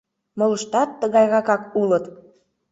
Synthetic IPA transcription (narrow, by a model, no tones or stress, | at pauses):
moləʃt̪ɑt̪ːəɣɑjɣɑkɑkulət̪